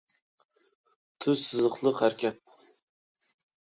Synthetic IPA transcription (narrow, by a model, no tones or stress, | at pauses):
t̪ʰʊzsɨzɨχlˠɨqhæɾkʲʰap̚